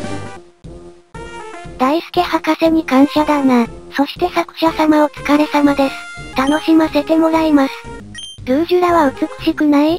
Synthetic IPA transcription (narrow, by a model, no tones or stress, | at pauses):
d̪̥aisɨ̥ke̞hakase̞ɲ̟ikãɰ̃ɕad̪anaso̞ɕi̥t̪e̞sakɯ̟̥ɕasamao̞t͡sɨ̥kaɾe̞samad̪e̞sɨ̥t̪ano̞ɕimase̞t̪e̞mo̞ɾaimasɨ̥ | d̪̥ɯːʑɨɾaβaɯ̟t͡sɨkɯ̥ɕikɯ̟nai